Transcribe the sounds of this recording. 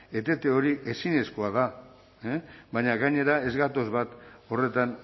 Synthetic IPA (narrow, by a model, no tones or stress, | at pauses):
e̞t̪e̞t̪eo̞ɾiʔe̞sine̞sko̞aða | ebaɲaɣaɲe̞ɾae̞zɣat̪o̞zβat̪o̞re̞t̪an